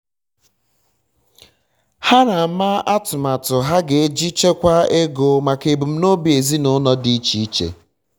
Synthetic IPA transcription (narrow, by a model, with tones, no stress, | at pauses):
ha˦na˨˦ma˦ʔa˦tʊ˨ma˨tʊ˨ɦa˦ɡe˨e˦d͡ʒi˦t͡ʃe˦kʷa˦e˦ɡo˨ma˨ke˨bu˨m̩˦no˦bi˨e˨zi˦nʊ˦nɔ˦di˦t͡ʃi˨i˦t͡ʃḛ˨